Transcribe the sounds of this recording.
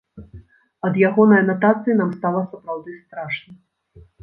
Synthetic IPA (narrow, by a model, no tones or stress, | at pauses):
ɐd̪jaɣɔnɐjɐnat̪at̪sɨjinamst̪alˠɐsupɾawd̪ɨst̪ɾaʂnɐ